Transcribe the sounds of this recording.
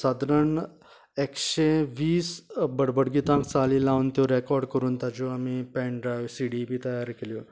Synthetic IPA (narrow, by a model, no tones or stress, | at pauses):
sad̪ɾəɳ | ekɕeʋiːsbəɽbəɽɡit̪ãŋksalilawnt̪joɾekɔɾɖkəɾuːnt̪ad͡ʑoamipɛ̃ɳɖɾajʋsiɽibit̪əjaɾkeljo